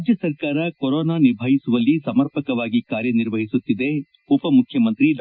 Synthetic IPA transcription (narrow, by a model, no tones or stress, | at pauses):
d͡ʒjɐsɐɾkaːɾɐkoɾoːnaːniɾbʱɐɦisuʋɐlːisɐmɐɾpɐkɐʋaːɡikaːɾjɐniɾʋɐɦisut̪ːid̪e̞ | upɐmukʰjɐmɐnt̪ɾi